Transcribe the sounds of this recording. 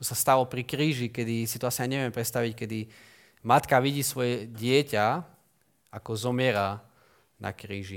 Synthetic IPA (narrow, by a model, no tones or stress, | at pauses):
sast̪alɔpɾikɾiːʒikɛd̪isit̪ɔasiaɲɛʋɪɛmpɾɛt̪st̪aʋickɛd̪i | mat̪kaʋiɟiːsʋɔjɛɟɪɛca | akɔzɔmɪɛɾa | na̰kɾiːʒi